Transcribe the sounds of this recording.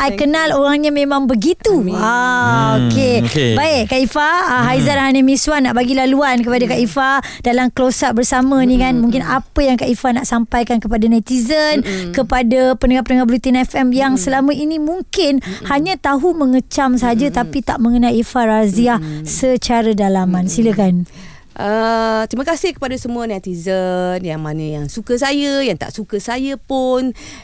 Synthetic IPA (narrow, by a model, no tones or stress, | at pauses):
ʔajkənaloɾaŋɲamẽmãŋbəɡit̪uaokebaɪʔkaʔifaɦajzanhanəmĩswanaʔbaɡilaluankəpadakaʔifa | dalamklosaʔbərsamə̃nĩkanmuŋkɪnapəjaŋkaʔifanaʔsampajkankəpadanat̪izənkəpadapənəŋapənəŋahbəlut̪inɛfɛmjaŋsəlaməinĩmuŋkɪnhaɲãt̪aɦuməŋət͡ʃamsəɦad͡ʒat̪apit̪aʔmə̃ŋənalifaraziahsət͡ʃaɾadalamãnsiləkan | ʔət̪ɾimakasɪhkəpadasəmũanat̪izənjaŋmanə̃jaŋsukəsajəjaŋt̪a̰ʔsukəsajəpʊn